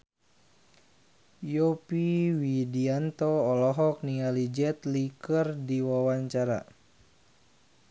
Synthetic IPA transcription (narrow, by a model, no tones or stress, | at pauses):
jɔpiwidiant̪oɔlɔɦɔk̚nialid͡ʒɛt̪likərdiwawaɲt͡ʃaɾa̰